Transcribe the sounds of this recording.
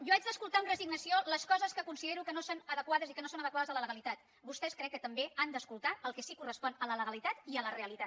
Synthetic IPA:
ʒoad͡ʒd̪əskulˠt̪aəmrəziɡnəsioləskɔzəskəkunsiðeɾukənosonəðəkwaðəzikənosonəðəkwaðəzələləɣəlit̪at̪ | bust̪ɛskɾɛkːət̪əmbeand̪əskulˠt̪aəlˠkɛsikurəspɔnələləɣəlit̪at̪iələreəlit̪a

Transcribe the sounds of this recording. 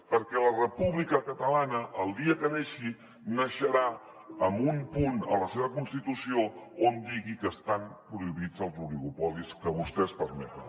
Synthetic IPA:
pəɾkɛlərəpuβlikəkət̪əlanəʔːlˠd̪iəkəneʃi | nəʃəɾa | əmbumpunə̰ləseβəkunst̪it̪usioond̪iɣikəst̪ampɾuiβid͡zəlˠzuliɣupɔliskəβust̪ɛspəɾmɛt̪ən

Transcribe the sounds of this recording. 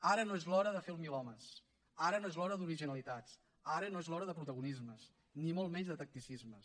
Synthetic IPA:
aɾənoezlɔɾəðəfelˠmilɔməs | aɾənoezlɔɾəðuɾiʒinəlˠit̪at͡s | aɾənoezlɔɾəðəpɾut̪əɣunizməs | nimolˠmɛɲzðət̪ək̚t̪isizmə

